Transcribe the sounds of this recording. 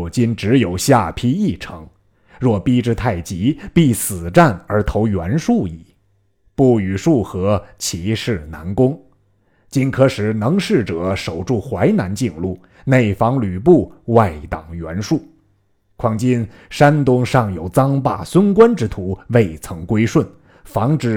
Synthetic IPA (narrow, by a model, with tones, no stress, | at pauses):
t͡ɕi˥nʈ͡ʂɻ̩˧˥jo˨˩ʊɕja˥˩pʰi˥i˥˩ʈ͡ʂʰɤ̰˧˥ŋ | ɻwɔ˥˩pi˥ʈ͡ʂɻ̩˥˧t̪ʰa˥˩ɪt͡ɕi˧˥pi˥˩sɹ̩˨˩ʈ͡ʂa˥˩nə˞˧˥t̪ʰo˧˥ʊɥɛ˧˥nʂu˥˧i˨˩˦ | pu˥˩y˨˩ʂu˥˩xɤ˧˥t͡ɕʰi˧˥ʂɻ̩˥˩na̰˧˥nkʊ˥ŋ | t͡ɕi˥nkʰɤ˥ʂɻ̩˧˥nɤ˧˥ŋʂɻ̩˥˩ʈ͡ʂɤ˨˧˩ʂo˨˩ʊʈ͡ʂu˥˩xwa˧˥ɪna˧˥nt͡ɕi˥˧ŋlu˥˩ | ne˥˩ɪfɑ˧˥ŋly˨˩p̬u˥˧wa˥˩ɪt̪ɑ˨˩ŋɥɛ̰˧˥nʂu˥˩ | kʰwɑ˥˩ŋt͡ɕi˥n | ʂa˥nt̪ʊ˥ŋʂɑ˥˩ŋjo˨˩ʊt͡sɑ˥ŋpa̰˥˩swə˥nkwa˥nʈ͡ʂɻ̩˥t̪ʰu˧˥we˥˩ɪt͡sʰɤ˧˥ŋkwe˥ɪʂwə˥˩n | fɑ˧˥ŋʈ͡ʂɻ̩˨˥˩